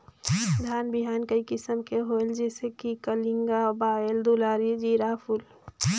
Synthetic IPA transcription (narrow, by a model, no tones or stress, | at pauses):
d̪ʱaːnbiɦaːnkəikɪsəmkeɦoeld͡ʒɛːsekikəliŋɡabaːeld̪ulaːɾid͡ʒiɾaːpʰul